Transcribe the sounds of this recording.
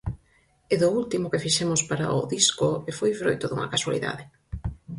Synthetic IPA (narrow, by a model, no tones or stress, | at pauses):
eðʊult̪imʊkefiʃɛmʊspaɾa̰ʊ̰ðiskʊefojfɾojt̪ʊðṵŋɐ̰kaswa̰lḭða̰ðɪ